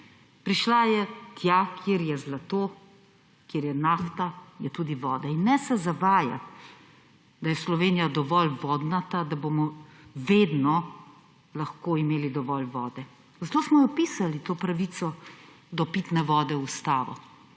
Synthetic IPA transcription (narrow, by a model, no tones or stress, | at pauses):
pɾiʃlajɛt̪jakʰiɾjɛzlat̪oː | kjeːɾjɛnaːft̪ajɛt̪uːd̪iʋɔːd̪ɛinːɛsɛzaʋaːja̰ | d̪ajɛslɔʋeːnijad̪ɔʋɔlʋɔːd̪nat̪ad̪abomɔʋeːd̪nɔ | laxkoːimeːlid̪ɔʋɔlʋɔːd̪ɛ | zat̪oːsmɔjɔpiːsalit̪oːpɾaʋit̪sɔ | d̪ɔpiːt̪nɛʋɔːd̪ɛust̪aːʋɔ̰